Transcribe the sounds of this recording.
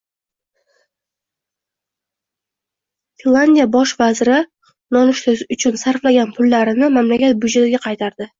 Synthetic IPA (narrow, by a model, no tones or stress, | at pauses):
finlːˠand̪ʲijabɒʃvazɪɾɪ | nɒnɪʃt̪ɵzʊt͡ʃʰʊnsaɾflaɡʲanpʰʊlːaɾɪnɪmamlakʲat̪̚bʊd͡ʒat̪ɪɡʲaqʰɑjt̪ʰaɾd̪ɪ